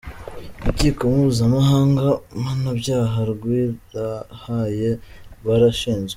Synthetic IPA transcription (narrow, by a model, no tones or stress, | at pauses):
βiciːko̞muβuzamaɦaːŋɡamanabɟaːɦaɾɡwiɾahajeβaɾaʃiːnʒe